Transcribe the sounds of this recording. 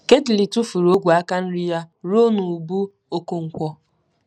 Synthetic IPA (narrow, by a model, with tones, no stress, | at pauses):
ke˦ti˨li˨tu˦fu˨ɾo˦ɡʷu˨a˦ka˦n̩˦ɾi˦ja˦ɾo˦nu˨bu˦ | o˦ko˦ŋ̩˨kʷɔ˦